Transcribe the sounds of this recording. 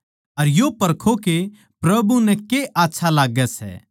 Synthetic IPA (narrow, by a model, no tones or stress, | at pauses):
ɐɾjopɐɾkʰoke | pɾɐbunɛ̃keʔaːtːʃʰalaːɡɛsɛ̰ː